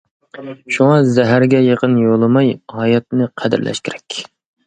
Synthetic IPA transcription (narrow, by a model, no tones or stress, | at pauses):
ʃuŋɑzɛɦæɾɡʲɛjeqənjolˠɨmɑjhɑjɛt̪̚nɨqʰæd̪ɪ̰ɾlʔɛ̰ʃkʲiɾɛkʲ